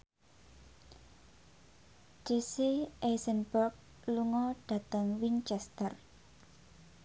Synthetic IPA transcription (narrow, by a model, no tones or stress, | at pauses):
t͡ʃeseʔesənbərk̚ | luŋɔɖ̥ä̤t̪əŋwint͡ʃɛst̪ər